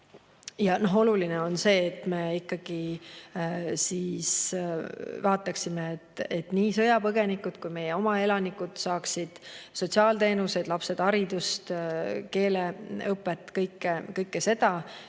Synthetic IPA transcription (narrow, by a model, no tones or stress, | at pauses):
jɑno̞ɦo̞lulineo̞nse̞ːt̪ːme̞ikːɑɡ̥i | siːs | vɑːt̪ːˑɑksimeet̪ːet̪niːsɤjɑpɤɡe̞nikːˑud̪̥kujme̞jeo̞mɑe̞lɑnikːˑud̪̥sɑːksid̪̥so̞tʲsiɑːlt̪e̞ːnuse̞d̪̥lɑpse̞d̪̥ɑɾid̪̥ust̪ke̞ːleɤpːˑet̪ːˑkɤjkˑːekɤjkːese̞d̪̥ɑ